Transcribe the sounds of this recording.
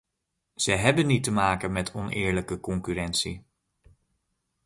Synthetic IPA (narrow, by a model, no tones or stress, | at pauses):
z̥əjɦɛbənːitəmaːkənmɛtʰɔnʔɪ̰ːɹləkəkɔŋkyrɛntsi